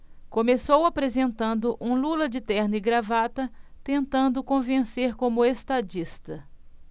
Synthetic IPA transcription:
kõmesowapɾezẽnt̪ɐ̃nd̪ʊʔũlulɐd͡ʒɪt̪ɛɾnɪɡɾavat̪ɐt̪ẽnt̪ɐ̃nd̪ʊkõvẽseɾkõmʊest̪ad͡ʒist̪ɐ

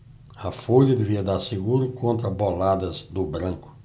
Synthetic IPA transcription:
ɐfoʎɐd̪eviɐd̪aɾseɡuɾʊkʰõnt̪ɾɐbolad̪ɐzd̪ʊbɾɐ̃kʊ̥

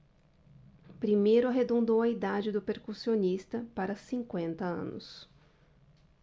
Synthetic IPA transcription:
pɾimejɾʊɐɦed̪õnd̪owɐid̪ad͡ʒɪd̪ʊpeɾkusionist̪ɐpaɾɐsĩŋkwẽnt̪ɐɐ̰̃nʊ̰s

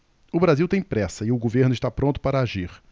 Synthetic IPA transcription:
ʊbɾaziwt̪ẽj̃pɾɛsɐɪʊɡoveɾnʊɪʃt̪apɾõnt̪ʊ̥paɾɐaʒiɾ

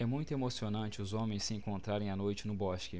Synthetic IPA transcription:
ɛmũj̃t̪ʊemosionɐ̃t͡ʃɪʊzõmẽj̃sɪẽŋkõnt̪ɾaɾẽj̃ɐnojt͡ʃɪnʊbɔʃkɪ

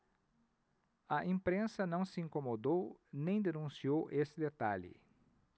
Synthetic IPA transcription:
ɐʔĩmpɾẽsɐnɐ̃w̃sɪĩŋkomod̪ownẽj̃d̪enũsiowʔesɪd̪et̪aʎɪ̰

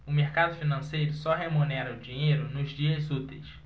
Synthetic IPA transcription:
ʊmehkad̪ʊfinɐ̃sejɾʊsɔɦemunɛɾɐʊd͡ʒĩɲejɾʊnʊzd͡ʒiɐzut̪ejs

